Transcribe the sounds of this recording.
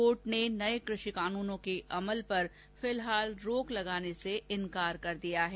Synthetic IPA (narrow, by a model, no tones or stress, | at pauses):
oːʈnenɐekɾʊʃikaːnuːnõkeʔɐməlpɐɾ | fɪlɦaːlɾoːklɐɡaːneseɪ̃nkaːɾkɐɾd̪ijaɦɛː